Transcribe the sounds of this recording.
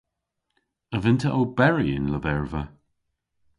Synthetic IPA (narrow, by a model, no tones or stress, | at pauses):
əvɪnt̪ʰəʔobɛɹiɪ̰nləvɛɹvə